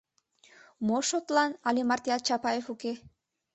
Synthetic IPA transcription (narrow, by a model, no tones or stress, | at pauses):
moʃot̪lɑnɑlemɑrt̪ijɑt̪̚t͡ɕɑpɑjefuke